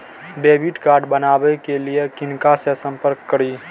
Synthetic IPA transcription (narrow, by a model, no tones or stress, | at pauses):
ɖeːbiʈkaːɾɖbənaːbɛkeliekɪnkasesə̃mpəɾkːəɾi